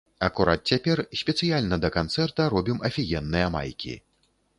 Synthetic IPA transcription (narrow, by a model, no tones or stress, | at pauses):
ɐkuɾʔa̰t̪̚t͡sʲapʲɛrsʲpʲɛt̪sɨjalʲnɐd̪ɐkant̪sɛrt̪ɐɾɔbʲimʔɐfʲijɛnːɨjɐma̰jkʲḭ